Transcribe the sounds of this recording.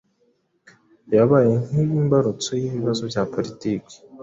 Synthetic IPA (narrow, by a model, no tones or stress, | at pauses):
jaβaːje̞ŋiimbaɾut͡so̞jiβiβazo̞vjapo̞ɾitiːki̥